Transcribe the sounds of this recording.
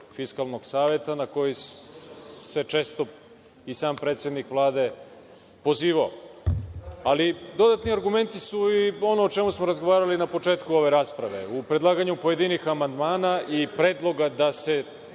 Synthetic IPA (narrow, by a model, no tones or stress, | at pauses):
fiskalˠno̞ɡsaːʋe̞t̪anako̞ji | se̞t͡ʃe̞ːst̪o̞ | isaːmpɾe̞ːt̪sje̞d̪nikʋlˠaːd̪e̞ | po̞ziːʋao | alid̪o̞d̪at̪niaɾɡume̞nt̪isuio̞noːt͡ʃe̞musmoɾazɡo̞ʋaːɾalinapo̞t͡ʃe̞ːt̪kuo̞ʋe̞ɾaːspɾaʋe̞̰upɾe̞d̪lˠaːɡaɲupo̞je̞d̪inixamand̪maːnaʔipɾe̞ːd̪lˠo̞ɡad̪ase̞